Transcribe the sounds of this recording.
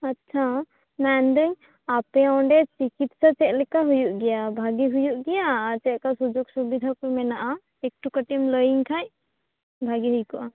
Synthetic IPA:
ɐtːʃʰa | mɛnd̪əŋ | apeɔ̃ɳɖet͡ʃikit̪sat͡ʃɛʔlɛkaɦujuʔɡɛjabʱaɡiɦujuʔɡɛjat͡ʃɛʔkasud͡ʒoɡsubid̪ʱakumɛnaʔa | ek̚ʈukəʈimlɔjiŋkʰaj | bʱaɡiɦujkɔʔa

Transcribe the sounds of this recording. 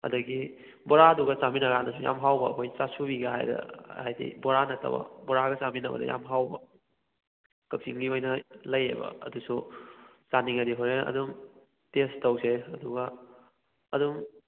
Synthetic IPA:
ɐ̰dɐɡi | boɾaduɡɐt͡ʃaminɐɡanɐsuja̰mɦawbɐːkʰojt͡ʃasubiɡaɦa̰jdɐ̰hajdḭboɾanɐtʰɐ̰bɐ̰boɾaɡɐt͡ʃaminɐbɐ̰dɐ̰ja̰mɦawbɐ | kɐk̚siŋɡiojnɐlɐjḛbɐ̰ɐ̰dusu | t͡ʃaniŋɐdiɦoɾeɐ̰duŋ | testɐwseɐduɡa | ɐduŋ

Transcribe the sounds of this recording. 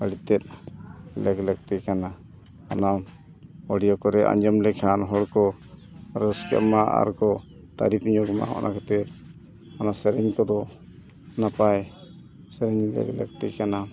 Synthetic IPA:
əɽit̪ɛt̪̚lɛklək̚t̪ɛkana | ana | ɔɽijɔkɔɾɛʔa̰ɲd͡ʒɔmlɛkʰanɦɔɽkɔ | ɾəskɛ̰ʔmaʔa̰ɾkɔ | t̪a̰ɾipɲɔɡma̰ɦɔ̰ʔnʔakɛt̪ɛɾ | anasɛɾɛɲkɔd̪ɔ | napaj | sɛɾɛɲlɛ̰klə̰k̚t̪ɛkana

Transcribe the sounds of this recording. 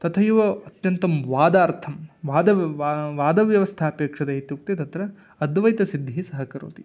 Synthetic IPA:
t̪ɐt̪ʰɐjuʋɐɐt̪jɐnt̪ɐmʋaːd̪aːɾt̪ʰɐmʋaːd̪ɐʋaːd̪ɐʋjɐʋɐst̪ʰaːpeːkʂɐd̪ɐet̪juk̚t̪it̪ɐt̪ɾɐː | d̪ʋɐjt̪ɐsid̪ʱːisɐɦɐkɐɾṵːt̪i

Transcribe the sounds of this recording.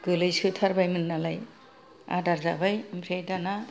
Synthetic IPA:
ɡ̥ɯlɯjsɯt̪ʰaɾbajmɯnːalaj | a̰daɾzabajmbʰʱɾejdana

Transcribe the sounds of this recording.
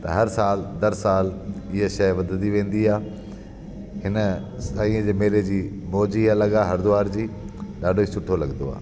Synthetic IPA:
t̪ɐɦɐɾsaːld̪ɐɾsaːlɪɦeʃɐjʋɐd̪ʱd̪iʋẽːn̆d̪iaː | ɦɪnəsaːĩə̃d͡ʑeːmeːled͡ʑiː | moːd͡ʑialəɠaːɦɐɾd̪ʊʋaːɾd͡ʑiː | ɗaːɖʱoiːsʊʈʰolɐɡnd̪oa̰ː

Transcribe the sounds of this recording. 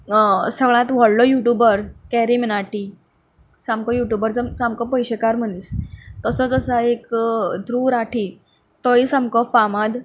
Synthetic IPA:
səɡɭãt̪ʋ̤ɔɽlɔjuʈjubəɾkɛɾiminaʈi | samkɔjuʈjubəɾd͡zəmsamkɔpəjɕekaɾm̤ənist̪əsɔd͡zəsəekd̪ɾuɾaʈʰi | t̪ɔisamkɔfamad̪

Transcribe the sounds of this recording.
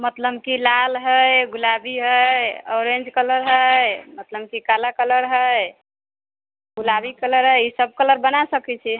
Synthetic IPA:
mət̪ləbkilalɦəjɡulabiɦəjɔɾẽnd͡ʒkələɾɦəjmət̪ləb̚kikalakələɾɦəj | ɡulabikələɾɦəjisəb̚kələɾbənasəkɛt͡ʃʰi

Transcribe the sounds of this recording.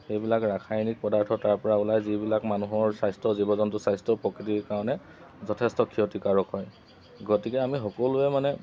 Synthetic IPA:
xejbilakɹakʰajnik̚pɔdaɹtʰɔtaɹpɔɹaulajzibilakmanuɦɔɹsajstɹɔzibɔzɔntʊsajstɔpɹɔkɹitiɹkaɹɔnɛ | zɔtʰɛstɔkʰiɔtikaɹɔkɦɔj | ɡɔtikɛamixɔkɔlʊɛmanɛ

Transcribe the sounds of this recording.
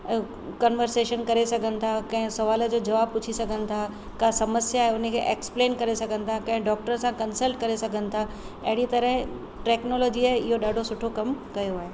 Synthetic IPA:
kɐnʋəɾseːʃənkɐɾesɐɡʱənɪ̆t̪ʰakɐ̃ɦɪ̃sɐʋaːlə̆d͡ʑoːd͡ʑɐʋaːb̚pʊt͡ɕʰisɐɡʱənɪ̆t̪ʰa | kasɐməsjaːɦeʊn̤ə̆kʰeːʔeːkspleːnkɐɾesɐɡʱənɪ̆t̪ʰakɐ̃ɦɪ̃ɖɔːk̚ʈəɾsãkɐnsəlʈkɐɾesɐɡʱənɪ̆t̪ʰa | ɐɦɪɽ̃it̪ɐɾəɦɪ̃ | ʈeːknoːlɔːd͡ʑiaɦɪɦoɗaːɖʱosʊʈʰokɐmkɐjoaːɦeː

